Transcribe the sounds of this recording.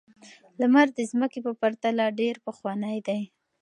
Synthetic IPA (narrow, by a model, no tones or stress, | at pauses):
lamaɾd̪əzməkepəpaɾt̪alaɖeɾpəxwɑnəjd̪aj